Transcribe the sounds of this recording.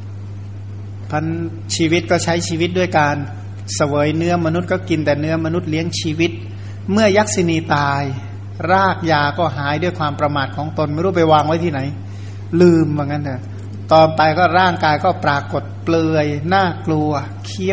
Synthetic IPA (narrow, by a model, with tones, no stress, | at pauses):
pʰa˦˥n | t͡ɕʰiː˧wi˦˥t̪̚kɔː˥˩t͡ɕʰa˦˥jt͡ɕʰiː˧wi˦˥du˥˩əjkaː˧n | sa˧wɤː˩˦jnɯ˦˥ɐma˧nu˦˥t̪̚kɔː˥˩ki˧nt̪ɛː˨˩nɯ˦˥ɐma˧nu˦˥t̪̚li˨˦˥əŋt͡ɕʰiː˧wi˦˥t̪̚ | mɯ˥˩ɐja˦˥k̚si˧niː˧t̪aː˧j | ɾaː˥˩k̚jaː˧kɔː˥˩ɦaː˩˦jdu˥˩əjkʰwaː˧mpɾa˧maː˨˩t̪̚kʰɔː˩˦ŋt̪o˧nma˧˥˨ɾuː˥˩pa˧jwaː˧ŋwa˦˥jt̪ʰiː˥˩na˩˦j | lɯː˧mba˧˩ŋːa˦˥nʰa˧˩ | t̪ɔː˧npa˧jkɔː˥˩ɾaː˥˩ŋkaː˧jkɔː˥˩pɾaː˧ko˨˩t̪̚plɤː˧əjnaː˥˩klu˧ɐ | kʰi˦˥˩